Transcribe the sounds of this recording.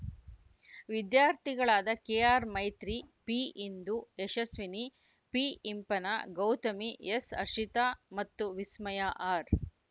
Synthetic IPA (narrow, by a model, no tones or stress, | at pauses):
ʋid̪jaːɾt̪ʰiɡɐɭaːd̪ɐkeːaːɾmɐjt̪ɾipiʔind̪ueʃɐsʋini | piimpɐnɐɡɐwt̪ɐmiesɐ̰ɾʃit̪amɐt̪ːuʋismɐjaʔaːɾ